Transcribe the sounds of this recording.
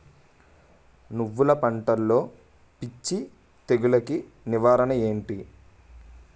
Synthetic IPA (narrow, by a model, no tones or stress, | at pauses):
nuʋːulɐpɐɳʈɐlːo̞ː | pit͡ʃːi | t̪eɡulɐki | niʋaːɾɐnɐe̞ːɳʈi